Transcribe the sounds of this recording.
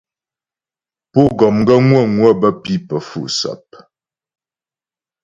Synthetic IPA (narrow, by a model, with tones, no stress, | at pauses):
po˦ɡɔ˨mŋɡə˦ŋwə˦˨ŋwə˦˨bə˦pi˦pə˨fṵ˦˨ʔsa̰˨p̚